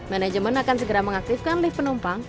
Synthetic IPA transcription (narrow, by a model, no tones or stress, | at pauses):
manɛd͡ʒəmənakansəɡəɾaməŋak̚t̪ɪfkanlɪhpənumpaŋ